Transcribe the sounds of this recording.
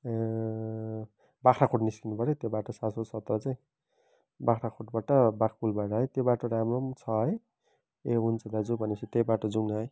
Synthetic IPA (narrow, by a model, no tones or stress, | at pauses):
bakʰɾakʰoʈniskinupʌɾjot̪jobaʈʌsasosʌt̪rʌt͡saj̃ | bakʰɾakʰoʈbaʈʌbakʰpulbaʈʌɦʌjt̪jobaʈʰoɾamromt͡sʰʌɦʌj | eɦunt͡sʰʌd̪ad͡zubʱʌnesʰit̪ejbaʈod͡zuŋnʌɦʌj